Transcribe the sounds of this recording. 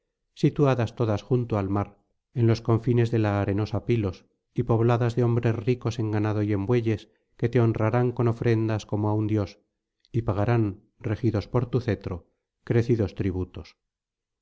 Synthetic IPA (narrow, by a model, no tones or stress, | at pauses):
sit̪uaðast̪o̞ðasxunt̪oalmaɾ | enlo̞sko̞ɱfine̞zðe̞laːɾe̞no̞sapilo̞s | ipo̞β̞laðazðeo̞mbɾe̞sriko̞se̞ŋɡanað̞o̞je̞mbwe̞ʎe̞s | ke̞t̪e̞o̞nraɾaŋko̞no̞fɾe̞nd̪asko̞moaund̪jo̞s | ipaɣ̞aɾan | rexiðo̞spo̞ɾt̪uθe̞t̪ɾo̞ | kɾe̞θiðo̞st̪ɾiβ̞ut̪o̞s